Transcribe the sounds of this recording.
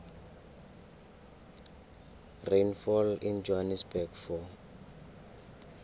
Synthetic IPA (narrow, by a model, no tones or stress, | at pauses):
renfɔlind͡ʒoɦanɛsbɛɡfɔ